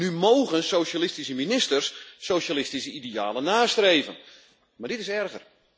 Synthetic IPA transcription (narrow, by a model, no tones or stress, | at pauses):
nymoːɣənsowʃalɪstisəminɪstərsːowʃalɪstisəidijaːlənaːstreːvən | mardɪtɪsɛrɣər